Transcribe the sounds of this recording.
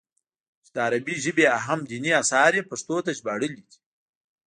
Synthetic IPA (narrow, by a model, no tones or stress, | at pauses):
t͡ʃed̪əaɾabiʒəbeaɦamd̪iniasɑɾjepaʂt̪ot̪aʒbɑɽəlid̪i̥